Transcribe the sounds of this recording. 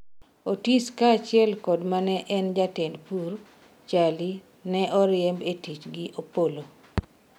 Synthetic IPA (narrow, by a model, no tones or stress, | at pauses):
otiskaːt͡ʃɪɛlkɔdmanɛʔɛnd͡ʒatɪndpur | t͡ʃali | nɛʔɔɾɪɛmbetit͡ʃɡiʔopolo